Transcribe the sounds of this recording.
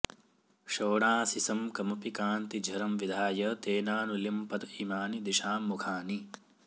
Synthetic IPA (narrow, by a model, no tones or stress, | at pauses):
ʃoːɽaːsisɐmkɐmɐpikaːnt̪id͡ʒʱɐɾɐmʋid̪ʱaːjɐt̪eːnaːnuljɐmpɐt̪iːmaːnid̪iʃaːmːukʰaːni